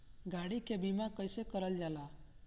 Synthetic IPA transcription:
ɡʱaɽikʰebimãkəjsekəɾəld͡ʒala

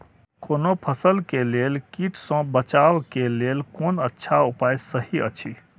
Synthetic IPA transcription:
konopʰəsəlkelelkiʈʰsə̃bət͡ʃawkelelkonətːʃʰaupajsəɦiə̰t͡ʃʰi

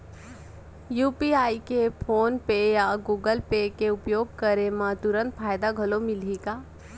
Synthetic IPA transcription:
juːpiaːikepʰoːnpejaɡuːɡəlpekeʊpjoːɡ̚kəɾemãt̪ʊɾə̃nt̪fʰaːjd̪aɡʱəlomɪliɡaː

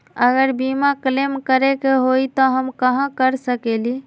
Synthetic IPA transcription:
əɡəɾbimaklemkəɾekeɦojt̪ɔɦəmkəɦãkəɾsəkeli

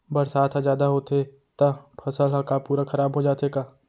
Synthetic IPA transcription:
bɐɾsaːt̪ʰazjaːd̪aɦoːt̪e | t̪ɐpʰɐsəlɦakapuːɾakʰɐɾaːbɦod͡ʒaːt̪eːkaː

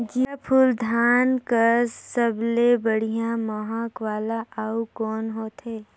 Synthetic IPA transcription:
d͡ʒipʰuld̪ʱaːnkəɾsəblebəɽ̤ijãməɦakʋaːlaʔaukɔːnɦoːt̪ɦeː

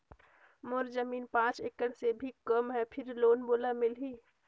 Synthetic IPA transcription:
mʊɾzəmiːnpãːt͡ʃekəɽsebʱikəmɦɛpʰɪɾloːnboːlamɪlɦiː

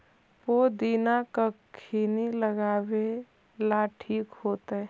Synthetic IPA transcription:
pod̪iːnakəkʰiːniləɡaːwe | laʈʰiːkhoːt̪ɛ

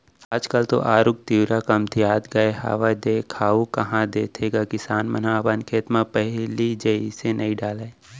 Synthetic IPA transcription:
aːd͡ʒkəlt̪o̰ʔaːɾʊkt̪iwɾakɐmt̪ʰiaːd̪ɡɐeɦa̰ːʋad̪eːkʰaːukɐɦãd̪eːt̪ʰeɡakɪsaːnmənãbənkʰeːt̪mãpɛɦlid͡ʒɐisenɐĩɖaːleː

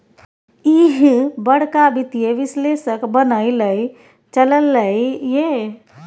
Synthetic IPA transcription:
iɦbəɽ̤kabit̪ijeʋɪsleːsəkbənəiləi | t͡ʃələlːəije

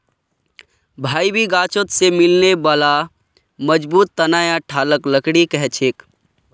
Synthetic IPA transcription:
bʱaːibʱiɡaːt͡ʃot̪semɪlnebala | məd͡ʒbuːt̪ːənaːjãʈʰaːləkləkɽikɛɦt͡ʃʰeːk

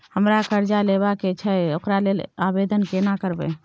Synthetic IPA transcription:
həmɾakəɾd͡ʒalebaket͡ʃʰɛeokɾalelabed̪ənkenakəɾbḛ

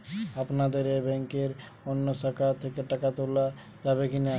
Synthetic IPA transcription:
apnad̪eɾebɛ̃ŋkeɾ | ɔnːosakaɾt̪ʰekeʈəkat̪ola | d͡ʒaβekina

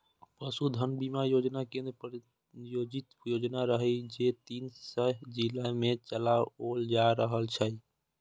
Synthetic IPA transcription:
pəsud̪ʱənbimajod͡ʒnakẽnd̪ɾpɾ | jod͡ʒit̪jod͡ʒnaɾəɦəjd͡ʒet̪insəd͡ʒilamet͡ʃəlaold͡ʒaɾəɦəlt͡ʃʰəj

